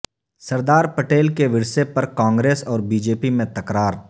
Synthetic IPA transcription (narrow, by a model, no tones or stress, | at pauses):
sɐɾd̪aːɾpɐʈeːlkeʋɪɽsepɐɾkãːŋɡɾeːsɔːɾbiːd͡ʒeːpimẽt̪ɐkɾaːɾ